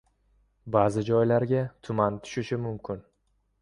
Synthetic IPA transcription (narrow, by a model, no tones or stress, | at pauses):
baːzɪd͡ʒɒjlaɾɡʲat̪ʰʊmant̪ʰʊ̥ʃɪʃɪmʊmkʲʰɪn